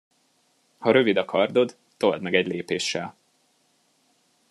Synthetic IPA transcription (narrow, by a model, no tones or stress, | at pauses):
hɒɾø̞vid̪ɒkʰɒrd̪o̞d̪ | t̪o̞ld̪mɛɡɛɟleːpeːʃːɛl